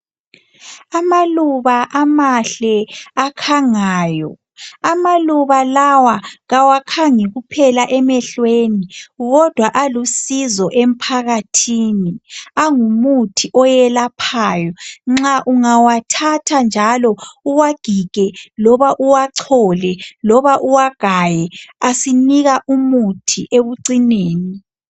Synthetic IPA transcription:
amaluβaʔamaɬɛakʰaŋaːjɔ | amaluβalawaɣawakʰaŋiɣupʰɛlaʔɛmɛɬweniɣɔd̥ʱwaʔalusizɔʔem̩pʰaɣatʰiniaŋumutʰiʔɔjɛlapʰaːjɔŋ͡ǁaʔuŋawatʰatʰand͡ʒʱalɔuwaɡ̥ʱiɡ̥ʱɛlɔβaʔuwaǀʰɔlɛlɔβaʔuwaɡ̥ʱajɛasiniɣaʔumutʰiʔeβuǀineːni

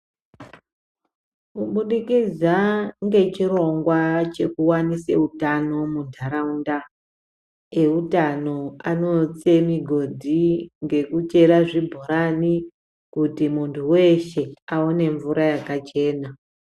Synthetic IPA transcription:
kuɓuɗikid͡zaŋɡe̞t͡ʃiro̞ŋɡwat͡ʃe̞kuwanisḛutano̞mundʱaɾaunda | e̞utano̞ano̞t͡se̞miɡʱo̞dʱiŋɡe̞kut͡ʃe̞ɾaʐibʱoɾani | kutimuntʰuwe̞ʃe̞aone̞ɱvuɾajakat͡ʃe̞ːna

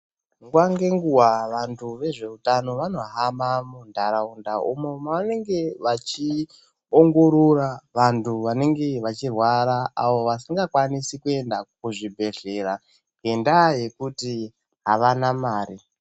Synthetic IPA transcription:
ŋɡwaŋɡe̞ŋɡuwaʋantʰuʋe̞ʐe̞utano̞ʋano̞ɦamamundʱaɾaundaʔumo̞maane̞ŋɡe̞ʋat͡ʃi | oŋɡo̞ɾoraʋantʰuʋane̞ŋɡe̞ʋat͡ʃirwaɾaaʋo̞ʋasiŋɡakwanisikue̞ndakuʐibʱe̞ɮe̞ɾa | ŋɡe̞ndaje̞kuti | ɦaʋanamaːɾi

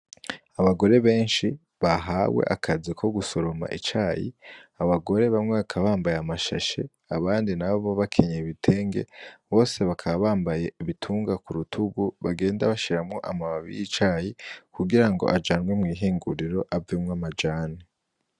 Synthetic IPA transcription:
aβaɡo̞ɾe̞βe̞ːnʃi | βaɦaːwḛʔakʰazikʰo̞ɡuso̞ɾo̞ma̰ʔḭt͡ʃaːjḭaβaɡo̞ɾe̞βamŋeβakʰaβaːmbajamaʃa̰ʃe̞̰ | aβaːndinaβoβoβakʰeɲeβitʰe̞ːŋɡḛβo̞ːse̞βakʰaβaβaːmbajeiβitʰuːŋɡakuɾutʰuɡuβaɡe̞ːndaβaʃiɾamŋo̞ʔamaβaβḭjit͡ʃaːjikuɡiɾaŋɡo̞̰ʔad͡ʒaːnɡwemŋiːɦiːŋɡuɾiɾo̞ʔavemŋamad͡ʒaːne

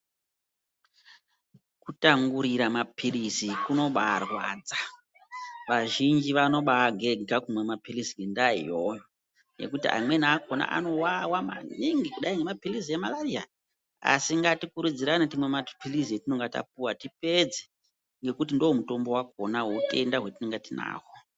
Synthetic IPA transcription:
kutaŋɡuɾiɾamapʰirizikuno̞ɓarwa̰d͡za | ʋaʒind͡ʒiʋano̞ɓaɡʱe̞ɡʱakumwe̞mapirisiŋɡendaḭjojo | je̞̰kutiʔa̰mwe̞naːkona̰ʔa̰no̞wawama̰neŋɡikuɗaiŋɡemapiliziemalaria̰ | a̰siŋɡatikuɾud͡ziɾanit̬imwemapilizijetino̞ŋɡata̰p̚uwatipe̞d͡ze̥ | ŋɡe̞kut̬indowomuto̞mbo̞wakonawote̞ndaɦwe̞tineŋɡatina̰ːɦo

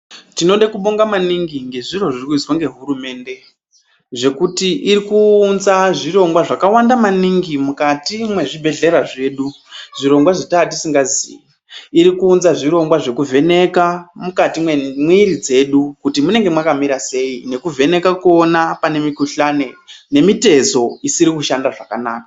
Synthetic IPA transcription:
tino̞ɗakuɓoŋɡamaniŋɡiŋɡe̞ʐiro̞ʐirikuit͡swaŋɡe̞ɦuɾume̞ːnde̞ | ʐe̞kutiʔiɾikuːnzaʐiro̞ŋɡwaʐakawandamaniŋɡimukatimwe̞ʐibʱe̞ɮe̞ɾaʐe̞ːɗu | ʐ̥iɾo̞ŋɡwaʐitat̬isiŋɡazḭːji | iɾikuːnzaʐiɾo̞ŋɡwaʐe̞kuvʱe̞ne̞kamukatimwiɾid͡ze̞ɗukutimune̞ŋɡe̞mwakamiɾase̞ine̞kuve̞ne̞kakuonapane̞mikuɬane̞ne̞mite̞zo̞isiɾikuʃandaʐakanaːkḁ

